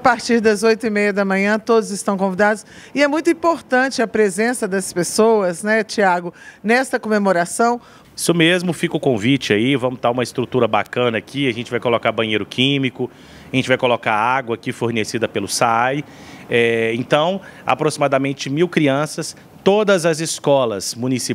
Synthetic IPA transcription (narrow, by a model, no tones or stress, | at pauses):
apaɾt͡ʃiɾd̪ɐzojt̪ʊimejɐd̪ɐmɐ̃ɲɐ̃t̪od̪ʊzɪst̪ɐ̃w̃kõvid̪ad̪ʊsɪɛmũj̃t̪ʊĩpoɾt̪ɐ̃t͡ʃɪɐpɾezẽsɐd̪ɐspesowɐznɛt͡ʃiaɡʊnɛst̪ɐkomemoɾasɐ̃w̃ | isʊmezmʊfikʊkõvit͡ʃɪaivɐ̃mʊd̪aũmɐɪst̪ɾut̪uɾɐba̰kɐ̃nɐaːkʰiɐʒẽnt͡ʃɪvajkolokabɐ̃ɲ̃ejɾʊkʰĩmikʊ | ʒẽnt͡ʃɪvajkolokaaɡwɐːkifoɾnesid̪ɐpelʊsaj | ɛẽnt̪ɐ̃w̃a̰pɾosimad̪amẽnt͡ʃɪmiwkɾiɐ̃sɐs | t̪od̪ɐzɐzɪskɔlɐsmũnisi